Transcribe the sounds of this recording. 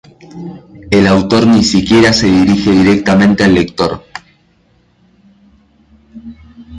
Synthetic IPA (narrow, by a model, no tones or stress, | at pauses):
elawt̪o̞ɾnisikje̞ɾase̞ðiɾixe̞ðiɾek̚t̪amẽnt̪ealːe̞kt̪o̞ɾ